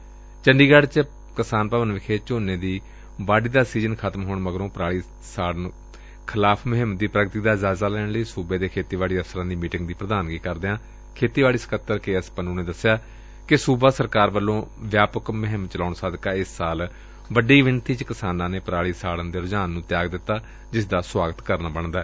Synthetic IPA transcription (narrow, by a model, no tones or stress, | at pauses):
t͡ʃəɳɖiːɡəɖt͡ʃ | kɪsaːnpaːʋənʋɪkʰeːt͡ʃoːneːd̪iː | baːɖiːd̪aːsiːzənkʰat̪mɦoːɳməɡɾõːpɾaːɭiː | saːɽən | kʰɪlaːpʰməɦɪmd̪iːpɾəɡt̪iːd̪aːzaːzaːlɛːɳləiːsuːbeːd̪eːkʰeːt̪iːʋaːɽiːəfsəɾãːd̪iːmiːʈɪŋɡd̪iːpɾəd̪aːnɡiːkəɾd̪eːãː | kʰeːt̪iːʋaːɽiːsə̥kət̪ːəɾkeːəspənõːneːd̪əsːɪjaː | kɪsuːbaːsəɾkaːɾʋəlːõːʋjaːpəkməɦɪmt͡ʃəlaːɳsaːd̪kaːɪsːaːl | ʋəɖiːʋɪnt̪iːt͡ʃkɪsaːnãːneːpɾaːɭiːsaːɽənd̪eːɾʊd͡ʒaːnːũːt̪ɪjaːɡd̪ɪt̪ːaː | d͡ʒɪsd̪aːswaːɡət̪kəɾnaːbəɳd̪aɛː